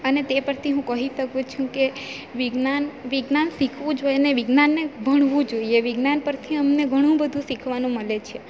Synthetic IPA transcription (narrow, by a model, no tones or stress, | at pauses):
ənet̪epəɾt̪ʰiɦũkəɦit̪əɡũt͡ʃʰũke | ʋiɡnanʋiɡnansikʰʋũd͡ʒojneʋiɡnanːebʱəɽ̃ʋũd͡ʒoieʋiɡnanpəɾt̪ʰiəmneɡʱəɽ̃ũbəd̪ʱũsikʰʋanũməlet͡ʃʰe